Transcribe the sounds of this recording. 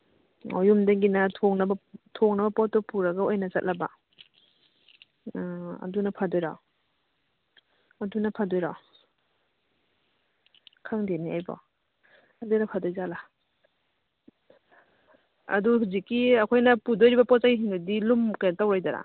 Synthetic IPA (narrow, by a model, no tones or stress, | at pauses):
o̰jumdaɡinɐtʰɔŋnɐbɐtʰɔŋnɐbɐpɔtːɔpuɾɐɡaojnɐsɐt̚laba̰ | ɐ̰dunɐpʰadɔjɾa̰ | ɐdunɐpʰadɔjɾa | kʰaŋdeniajbɔ̰ | adojnapʰadɔjzala | ɐ̰duhuzikːiɐkʰojnɐpudojɾibɐpɔt͡ʃajɦindudilumkajtawɾajdaɾa̰